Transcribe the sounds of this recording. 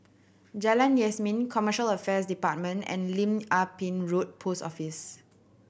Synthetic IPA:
d͡ʒalãnjɛsmĩnkʰɔməʃələfɛsdipat̚mə̃ntɛ̰̃nlĩmapĩnɹot̚pʰostɔfis

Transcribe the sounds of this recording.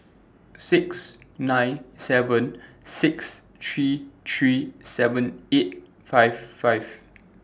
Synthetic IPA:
sɪksnãɪ̃nsɛvə̃n | sɪks | t̪ʰɹit̪ʰɹisɛvə̃net̚ | faɪvfajv

